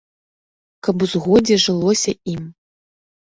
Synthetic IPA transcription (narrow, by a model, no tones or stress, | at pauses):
kɐpuzɣɔd͡zʲɛʐɨlˠɔsʲɐim